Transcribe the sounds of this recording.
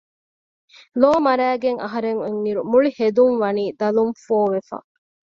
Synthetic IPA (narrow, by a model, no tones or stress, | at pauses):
loːmɐɾæːɡeŋɐ̰ɦɐɾeŋeŋːiɾumuɭihed̪uŋʋɐniːd̪ɐlumfoːʋefɐ̰